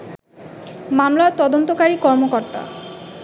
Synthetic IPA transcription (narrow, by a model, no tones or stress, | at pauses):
mamlaɾt̪ɔd̪ont̪okaɾikɔɾmokoɾt̪a̰